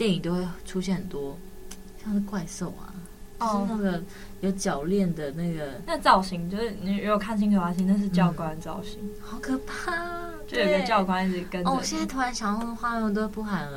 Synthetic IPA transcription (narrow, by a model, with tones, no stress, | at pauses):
t̪jɛ˥˩ni˨˩ŋt̪o˥ʊxwe˥˩xʈ͡ʂʰu˥ɕjɛ˥˩nhə˨˩nt̪wɔ˥ | ɕjɑ˥˧ŋʂɻ̩˥˧kwa˥˧ɪso˥˩ʊa̰˨˩ | t͡ɕna˥˩ɡə˩ | jo˧˥ʊt͡ɕjɑ˨˩ʊljɛ˥˩nd̪ə˩na˥˩ɡə˩na˥˧t͡sɑ˥˩ʊɕi˧˥ŋt͡ɕjo˥˧ʊʂɻ̩˥˩ni˨˩ɻu˧˥jo˨˩kʰa˥˩nɕ̬i˥ŋkʰxwa˧˥˩ɕ̬i˧˥ŋna˥˧ʂ̬ɻ̩˥˧t͡ɕjɑ˥˨ʊkwa˦nt͡sɑ̰˥˩ʊɕi˧˥ŋxɑ˧˥ʊkʰɤ˨˩pʰa˥˩ | t̪jo˥˧jo˨˥˩ɡə˧t͡ɕjɑ˥˧ʊkwa˥˦ni˧˩˨kə˦nɔ˥˧˨ɕjɛ˥na˥ɪt̪ʰu˥ɻa˧˥nɕjɑ˨˧ŋ˥˧˥xwa˥ɛ˧˥˧t̪̬ʊwe˥˩pu˥˩xa˨˩nə˦